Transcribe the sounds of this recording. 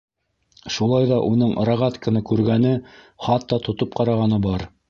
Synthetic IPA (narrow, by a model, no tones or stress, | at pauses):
ʃulˠɑjðɑʔunɤɴɾɑʁɑt̪kɘ̆nɤkʉɾɡænɘ | χɑt̪ːɑt̪ŏt̪ɤp̚qɑɾɑʁɑnɤbɑɾ